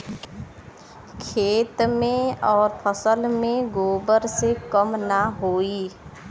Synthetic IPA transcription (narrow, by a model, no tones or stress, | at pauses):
kʰeːt̪mẽɔːɾpʰəsəlmẽɡoːbəɾsekəmnaɦoːiː